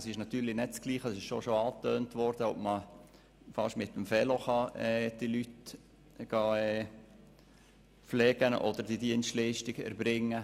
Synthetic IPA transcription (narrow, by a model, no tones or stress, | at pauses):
sɪʃnɑt̪yːɾlɪnɛt̚t͡skliːχəsɪʃʃoʃoɑːt̪øːntʋɔɾd̥əɔbmə | fɑʃmɪt̪ːəmfɛloχɑɛːd̥ilyt | ɡ̥ɑːɛː | flɛːɡ̥ənʔɔ̰d̥əɾd̥idiənstliːʃtɪɡɛ̰ɾbɾɪŋːə